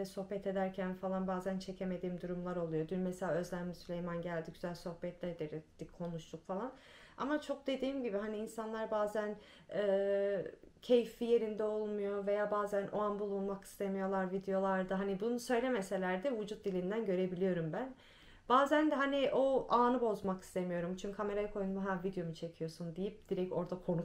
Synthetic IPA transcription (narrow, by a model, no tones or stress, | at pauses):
ɛso̞hpɛt̪ʰe̞d̪æɾcʰænfalˠanbaːzænt͡ʃʰe̞cʰe̞me̞d̪iːmd̪uɾumlˠaɾo̞lˠujo̞d̪ynmeselʲaːø̞zlʲæmlʲisylʲe̞jmanɟælʲd̪iɟyzælʲso̞hpɛt̪lʲæɾd̪iɾd̥̪ikʰːo̞nuʃt̪ʰukfalˠan | a̰mat͡ʃʰo̞k̚d̪e̞d̪iːmɟibiɦaniːnsanlˠaɾbaːzæn | ɯː | cʰe̞jfːije̞ɾind̪ɛo̞lˠmujo̞ve̞jaːbaːzænʔoanbulˠunmaki̥st̪ʰe̞mijo̞lˠaɾvid̪ejo̞lˠaɾd̪ɯɦanibunusø̞jlʲe̞mese̞lʲæɾd̪ɛvud͡ʒut̪̚d̪ilʲind̪ænɟø̞ɾe̞bilʲijo̞ɾumbæn | b̥aːzænd̪ɛɦaniʔo̞aːnɯbo̞zmaki̥st̪ʰe̞mijo̞ɾumt͡ʃʰyɲkʰame̞ɾajakʰo̞junmuɦavid̪ejo̞mut͡ʃʰe̞cʰijo̞sund̪ijip̚d̪̥iɾɛct̪o̞ɾd̪akʰo̞nuk